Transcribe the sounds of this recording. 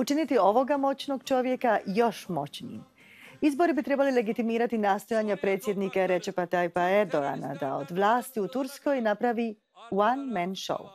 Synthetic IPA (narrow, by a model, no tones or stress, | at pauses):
ut͡ʃinit̪io̞ʋo̞ɡamo̞t͡ɕnoɡt͡ʃo̞ʋje̞kajo̞ʃmo̞̰t͡ɕnḭːm | izbo̞ɾibit̪ɾe̞balile̞ɡit̪imiːɾat̪inaːst̪o̞jaːɲapɾe̞ːt̪sje̞d̪nikaɾe̞t͡ʃepat̪ajpaeɾd̪oa̰na̰d̪ao̰d̪ʋlˠaːst̪iut̪uɾsko̞jnapɾaʋi | wanmɛnʃo̰w